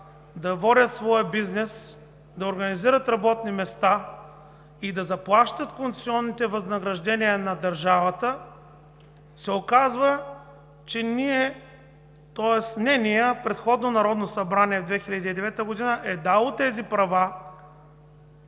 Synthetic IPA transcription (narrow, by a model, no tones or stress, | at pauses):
d̪ɐvɔɾʲət̪svɔjəbiznɛs | d̪ɐoɾɡɐniziɾət̪ɾɐbɔt̪̚nimɛst̪a | id̪ɐzɐplˠaʃt̪ət̪kont̪t̪siɔnːit̪ɛvɐznɐɡɾɐʒd̪ɛniənɐd̪ɐɾʒavɐt̪ə | sɛokazvə | t͡ʃɛniɛ | t̪ɔɛsnɛnijəpɾɛt̪xɔd̪nonɐɾɔd̪nosɐbɾaniɛvd̪vɛxilʲəd̪iːd̪ɛvɛt̪əɡod̪inəʔɛd̪alˠot̪ɛzipɾɐva